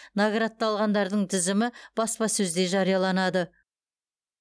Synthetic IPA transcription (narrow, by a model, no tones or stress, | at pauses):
naɡɾat̪ːɑlˠʁɑnd̪ɑɾd̪əɴt̪ʰɪzɪmɪb̥ɑspɑsɵzd̪e̞ʒɑɾijɑlˠɑnɑd̪ə